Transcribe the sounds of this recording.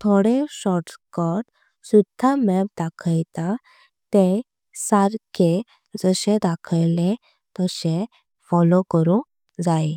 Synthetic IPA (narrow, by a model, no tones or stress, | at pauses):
t̪ʰoɽeɕɔɾʈkɔʈ | sud̪ʱːamɛp̚d̪akʰəjt̪a | t̪e | saɾke | d͡zəɕẽd̪akʰəjlẽ | t̪əɕe | fɔlokəɾũ | d͡zae